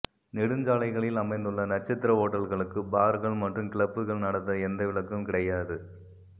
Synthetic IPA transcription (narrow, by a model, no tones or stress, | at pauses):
nɪɽɯnd͡ʒaːlɐɪɣɐɭɪlɐmɐɪnd̪ɯɭːɐnɐʈ̚t͡ʃːɐt̪ːɪɾɐoːʈːɐɭɣɐɭɯkːɯbaːɾɣɐɭmɐʈrɯmkɪɭɐpːɯɣɐɭnɐɽɐt̪ːɐɛnd̪ɐʋɪɭɐkːɯmkɪɽɐjaːðɯ